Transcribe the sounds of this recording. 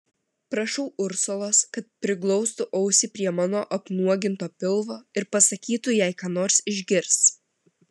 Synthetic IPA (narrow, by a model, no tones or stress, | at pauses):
pɾɐʃɔʊʔʊɾsolˠoːskɐt̪̚pʲɾʲɪklˠɔʊst̪ʊʔɐʊsʲɪpʲɾʲiɛmɑːnoːʔɐpnuɔɡʲɪnt̪oːpʲɪlˠʋoːɪɾpɐsɐkʲiːt̪ʊjɛɪkɑːnoːɾsɪʒʲɡʲɪɾs